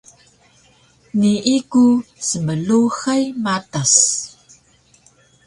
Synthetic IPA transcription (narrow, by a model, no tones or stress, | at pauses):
niʔikusəməluxajmatas